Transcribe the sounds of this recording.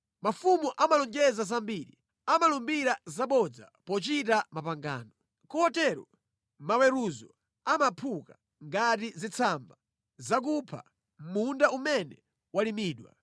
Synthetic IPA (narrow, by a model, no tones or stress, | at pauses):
mafumuʔamalɔŋd͡ʒɛzasambiɾi | amalumbiɾazaɓɔd͡za̰ | pɔt͡ʃitamapaŋɡa̰ːnɔ | kuhɔtɛɾɔ̰ | mawɛɾuzɔ | amapʰuka | ŋɡatizit͡sʰamba | zak̬upʰa̰ | m̩mundaumɛnɛ | walimiːɗwa̰